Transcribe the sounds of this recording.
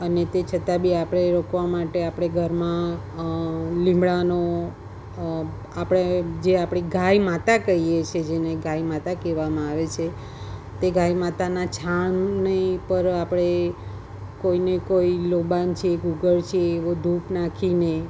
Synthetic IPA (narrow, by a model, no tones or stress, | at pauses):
ənet̪et͡ʃʰət̪abʱiapɽ̃eɾokʰʋamaʈeapɽ̃eɡʱəɾmã | lĩmbɭano | apɽ̃ed͡ʒeapɽ̃iɡajmat̪akəijet͡ʃʰed͡ʒeneɡajmat̪akeʋamãaʋet͡ʃʰe | t̪eɡajmat̪anat͡ʃʰaɳnepəɾapɽ̃e | koinekoilobant͡ʃʰeeɡuɡəɭt͡ʃʰieːʋod̪ʱupnakʰine